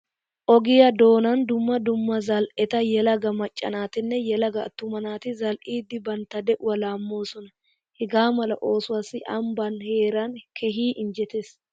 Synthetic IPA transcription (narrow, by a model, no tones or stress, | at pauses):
ʔɔɡɪjɐd̪o̞ːnɐnd̪ʊmːɐd̪ʊmːɐzɐlɛt̪ɐjɛlɐɡɐmɐt͡ʃʼːɐ̰naːt̪ɪnːɛjɛlɐɡɐːt̪ːʊmɐnaːt̪ɪzɐlʔiːd̪ːɪbɐnt̪ɐd̪ɛʔʊwɐlaːmːo̞ːsɔnɐ | hɪɡaːmɐlɐʔo̞ːsʊwasɪʔɐmbɐnhe̞ːɾankʰɛɦiːʔɪnd͡ʒɛt̪eːs